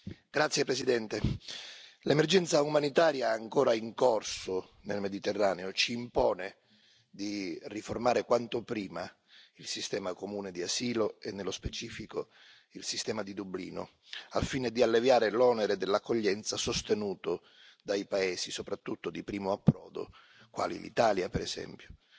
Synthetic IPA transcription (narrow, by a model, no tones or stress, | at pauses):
ɡ̥ɾat̪sjepɾesid̪ɛnt̪e | lemerd͡ʒɛnt̪saumanit̪aːɾjaeaŋkoːɾaiŋkɔrsʊ | nelmed̪it̪erːaːneot͡ʃiːmpɔːne | d̪iriformaːɾekwant̪opɾiːma | ilsist̪ɛːmakomuːned̪iasiːloenːelːospet͡ʃiːfiko | ilsist̪ɛːmad̪id̪ublḭːno̰ | a̰fiːned̪ialːevjaːɾelɔːneɾed̪elːakːoʎːɛnt̪sasost̪enuːt̪ʊ | d̪ajpaɛːsisopɾat̪ːut̪ːod̪ipɾiːmoapːɾɔ̰ːd̪o̰ | kwa̰ːlḭlḭt̪aːljapɛɾɛsɛ̰mpjo